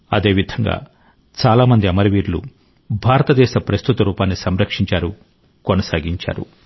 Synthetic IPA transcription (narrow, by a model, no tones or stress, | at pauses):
ɐ̰d̪e̞ːʋid̪ʱɐŋɡa̰ː | t͡ʃaːlaːmɐnd̪iɐmɐɾiʋiːɾlṵ | bʱaːɾɐt̪ɐd̪ɛːʃɐpɾɐst̪ut̪ɐɾuːpaːnːisɐmɾɐkʂiɲt͡ʃaːɾu | konɐsaːɡiɲt͡ʃa̰ːɾṵ